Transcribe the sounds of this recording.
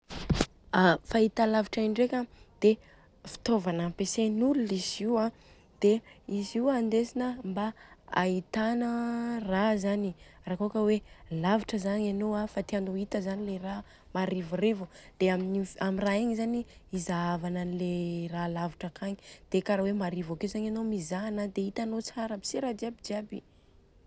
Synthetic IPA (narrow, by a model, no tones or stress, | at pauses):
afait̪alaviʈ͡ʂaiɳɖ͡ʐekʲad̪̥e | fi̥t̪ovanapesenululiziwã | d̪̥eiziwand̪esinəmbaait̪anərazanirakuokəwelaviʈ͡ʂəzaɲanowafat̪ianoit̪əzanilera | maɾivurevud̪̥eaminiamiraiɲizaniizaavananileralaviʈ͡ʂakʰaɲid̪̥ekaɾawemaɾivakewzaɲanomizanad̪eit̪anot͡saɾəbi̥seɾad̪iabid͡ʒiabḭ